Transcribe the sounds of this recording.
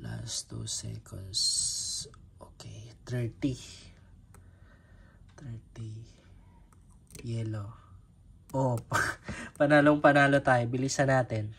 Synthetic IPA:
la̰st̪ːṵsɛ̰kʰo̰ns | ʔoːkɛjt̪ɾɛɹt̪i | t̪ɾɛɹt̪i | jɛlo | ʔoppɐnaːloŋpɐnaːlot̪aːjobɪlisɐnaːt̪ɛn

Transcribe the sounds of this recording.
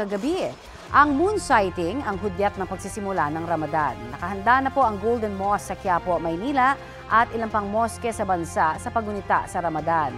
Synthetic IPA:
ɐɡɐbi | ʔɐŋmunsajt̪ɪŋɐŋɦʊd̪jɛt̪̚nɐŋpɐɡ̚sisɪmʊlanɐŋɾɐmɐd̪anːɐkɐɦɐnd̪anɐpoʔɐŋɡowld̪ɛnmosːɐkjaːpomɐjniːlɐʔ | ʔɐt̪ʔɪlɐmpɐŋmoskɛsɐbɐnsaʔsɐpɐɡʊnɪt̪a̰ʔsɐɾɐmɐd̪an

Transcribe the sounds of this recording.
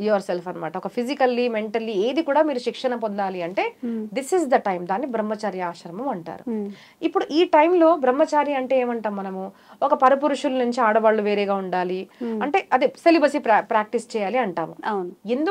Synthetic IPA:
joːɾselfɐnɐma̰ːʈɐɔkɐpʰizikɐlːime̞ɳʈɐlːieːd̪ikuːɽaːmiːɾuʃikʂɐɳɐpond̪aːliɐɳʈe̞ːd̪isizd̪ɐʈɐjmd̪aːnːibɾɐmːɐt͡ʃaːɾjɐaːʃɐɾɐmɐmɐɳʈa̰ːɾu | ipːuɽuʔiːʈɐjmlo̞ːbɾɐmːɐt͡ʃaːɾjɐɐɳʈeeːmɐɳʈaːmːɐnɐmu | ɔkɐpɐɾɐp̬uɾuʂulɐnuɲt͡ʃiaːɽɐʋaːɭːuʋe̞ːɾeːɡaːuɳɖaːliɐɳʈe̞ːʔɐd̪iselibɐsippɾaːk̚ʈist͡ʃɛːjaːliɐɳʈaːmuend̪u

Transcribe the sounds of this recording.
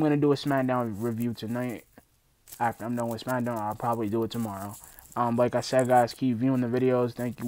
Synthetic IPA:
mɡʌñɨdəːsmæ̃ndãʊ̃nɹivjʉtʰɨnaɪt̚ | æk̚ãɪ̃mɡõʊ̃ɡʌnɨsmæ̃ndãʊ̃naɪlˠpʰɹ̥ɑbəblidəːtʰəmɑɹoʊʌ̃mlaɪkaɪsɛdɡaɪz̥kʰipvjʉɪ̃ŋðɨvɪɾioʊz̥θæ̃ŋkj

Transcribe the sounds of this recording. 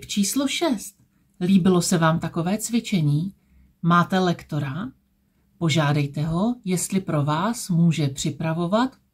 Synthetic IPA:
t͡ʃiːsloʃɛst̪ | liːbɪlo̞sɛvaːmt̪ako̞vɛːt͡svɪt͡ʃɛɲiː | maːt̪ɛlɛkt̪o̞ɾa | po̞ʒaːdɛjt̪ɛɦo̞jɛst̪lɪpɾo̞vaːsmuːʒɛpr̝̥ɪpɾavo̞vat̪

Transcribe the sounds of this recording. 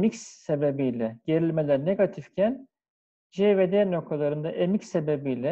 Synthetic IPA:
micsːe̞be̞bijlʲɛɟ̥e̞ɾilʲme̞lʲæɾne̞ɡat̪ʰifcʰæn | ʒeved̪eno̞k̚t̪ʰalˠaɾɯnd̪aʔemicse̞bebijlʲɛ

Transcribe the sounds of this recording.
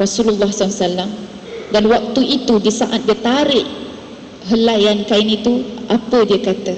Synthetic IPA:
rɔsululːɑhsalasalːam | danwak̚t̪uit̪udisaʔat̪̚diət̪aɾɪʔ | ɦəlajankainit̪uʔapədiəkat̪ə

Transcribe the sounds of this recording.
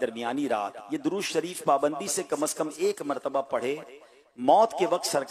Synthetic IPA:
d̪ɐɾmijaːniɾa̰ːt̪jed̪ʊɾuːʃʃɐɾiːfpaːbə̃nd̪isekɐməskəmeːkmɐɾt̪əbapɐɽ̤eː | mɔːt̪keʋɐq̚t̪sɐɾk

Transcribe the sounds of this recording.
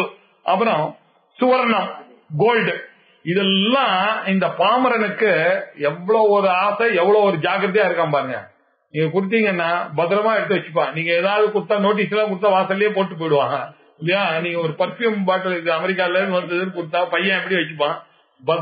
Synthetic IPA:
ʔɐpːɐɾɔ̃ | sʊʋɐɾɐnɐm | ɡoːlɖ | ɪðɛːãːɪnd̪ɐpaːmɐɾɐnɯkːɯɛʋːɐɭoːɔɾɯaːsɐɛʋːɐɭoːɔɾɯd͡ʒaːɡɾɐðijaːɪɾɯkːãːnpaːɾɯŋɡɐ̰ | niːŋɡɐkʊɽɯt̪̬ːiːŋɡɐnːaːbɐt̪ɐɾɐmaːɛɽɯt̪ːɯʋɐt͡ʃːɯ̥pːãːniːŋɡɐeːðaːɾðɯkʊɽɯt̪ːaːnoːʈ̬ːiːsɛlːãːk̬ʊɽɯt̪ːaːʋaːsɐljeːpoːʈːɯp̬ːoːjɪɽɯʋaːŋɡɐ | ɪlːɪjaːniːŋɡɐɔɾɯpɐɾfjumbaːʈːɐlɪðɯɐmɛɾɪk̬ːaːɪlɐɾɯnd̪ɯʋɐnd̪ɯðɯnkʊɽɯt̪ːaːpɐjːɐ̃ɛpːɐɽiʋɐt͡ʃːɯpːãː | bɐ

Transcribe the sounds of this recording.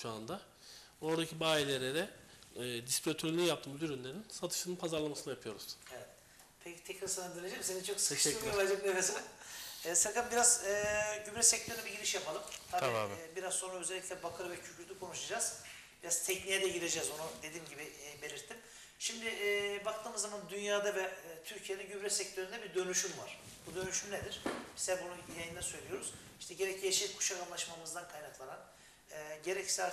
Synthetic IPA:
ʃuand̪a | o̞ɾd̪acʰibaːilʲeɾeɾɛː | d̪ispɾʲot̪ʰølʲinijap̚t̪ʰɯːmyd̪yɾynlʲeɾinsat̪ʰɯ̥ʃɯnɯnpʰazaɾlˠamasɯnajapʰɯjo̞ɾuz̥evɛt̪ | pʰecʰi̥t̪ʰɛcɾasanand̪iɾʲed͡ʒɛmsenit͡ʃʰokʃɛvad͡ʒekemesɛɛːsɯɾkalˠmbiɾazɯːɟymɾɛsɛc̚t̪ʰøɾɛbiɟiɾiʃjapʰalˠɯmt̪ʰabiːbiɾazso̞nɾaø̞zelʲːic̪ʰʲlʲɛbakʰɯɾɯvɛcʰycʰyɾt̪ʰykʰo̞nuʃad͡ʒaz̥ | biɾaz̥t̪ʰɛcnijɛd̪ɛɟiɾe̞d͡ʒɛzonud̪ed̪iːmɟibibe̞ɾiɾt̪ʰːim | ʃimd̪ɪbakt̪ʰɯːmɯzːamand̪ynjaːd̪avɛt̪ʰyɾcʰijed̪ɛɟymɾɛsɛct̪ʰøɾynd̪ɛbiɾd̪ø̞nyʃymvaɾ̥ | bud̪ø̞nyʃymned̪iɾ̥bi̥sɛbununjajɯnd̪asø̞jlʲijo̞ɾuz̥ | iʃt̪ʰɛɟe̞ɾɛcʰːijaʃilikʰːu̥ʃakanlˠaʃmamɯzd̪ankʰajnaklˠananː | ɟe̞ɾɛcsa

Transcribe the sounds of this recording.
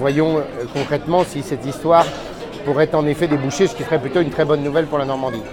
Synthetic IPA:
vwajɔ̃kɔ̃kχɛt̪mɑ̃sisɛt̪ist̪waʁ | puʁɛt̪ɑ̃nefɛd̪ebuʃesə̥kʲisəʁɛplyt̪oynt̪χɛbɔnːuvɛlpuʁlanɔʁmɑ̃d̪i

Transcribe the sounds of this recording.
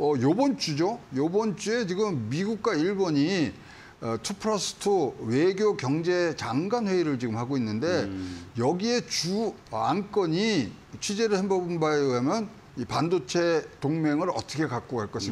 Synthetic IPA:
ʌjobʌnt͡ɕ͈ud͡ʑojobʌnt͡ɕ͈ue̞t͡ɕiɡɯmmiɡuk̚k͈waiɭboɲi | tʰupʰɾʌsʰɯ̥tʰɯwe̞ɡjokjʌŋd͡ʑe̞t͡ɕaŋɡanɸwe̞iɾɯɭt͡ɕiɡɯmhaɡoinːɯnde̞jʌɡie̞t͡ɕuank͈ʌɲi | t͡ɕʰɥid͡ʑe̞ɾɯɭhembʌbɯnbaɦamjʌn | ipandot͡ɕʰe̞toŋmeŋɯɾʌ̰t͈ʰʌkʰe̞kak͈̚oɡaɭk͈ʌsʰim

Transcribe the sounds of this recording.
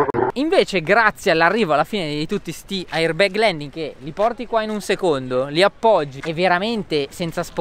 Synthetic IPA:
iɱveːt͡ʃeɡɾat̪sːjealːarːiːvoalːafiːned̪ejt̪ut̪ːist̪iairbɛɡlɛnd̪iŋkelipɔrt̪ikwainunsekond̪oliapːɔd͡ʒːievːeɾament̪esɛnt̪sasp

